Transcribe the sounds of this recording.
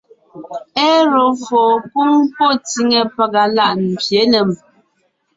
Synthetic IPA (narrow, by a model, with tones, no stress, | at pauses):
ɛ˦ɾo˨fɔ˨ku˦ŋpo˦˨ti˦ŋe˨pa˦ɡa˨la˦˨ʔn̩˨pje˨˦nə˨m